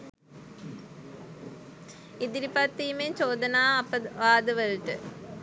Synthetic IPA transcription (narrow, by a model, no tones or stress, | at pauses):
id̪iɾipat̪ːiːmeɲt͡ɕoːd̪ɐnaːɐpəʋaːd̪əʋəlʈə